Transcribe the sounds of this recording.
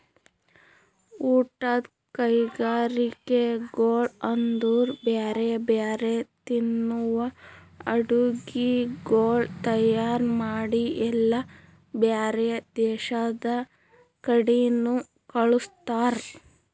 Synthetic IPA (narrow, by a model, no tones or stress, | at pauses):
uːʈɐd̪ | kɐjɡaːɾikeɡoːɭɐnd̪uːɾbaːɾebaːɾet̪inːuʋɐ | ɐɽuɡiɡoːɭt̪ɐjaːɾmaːɽiʔɛlːɐ | bjaːɾed̪ɛːʃɐd̪ɐ | kɐɽinu | kɐɭust̪aːɾ